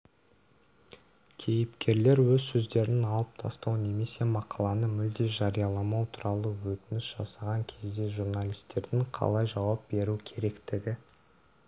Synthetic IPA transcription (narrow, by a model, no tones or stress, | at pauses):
kʲʰe̞jɪpkʲe̞ɾle̞ɾwɵzsɵzd̪e̞ɾɪnɑlˠəp̚t̪ʰɑ̰st̪ɑwne̞me̞se̞mɑqʰɑlˠɑnəmʏld̪e̞ʒɑɾijɑlˠɑmɑwt̪ʰʊɾɑlˠəwɵt̪ɪnɪsʒ̥ɑsɑʁɑŋkʲʰe̞zd̪e̞ʒurnalʲijst̪e̞ɾd̪ɪŋqʰɑ̰lˠɑjʒɑwɑp̚be̞ɾukʲʰe̞ɾe̞kt̪ɪɡʲɪ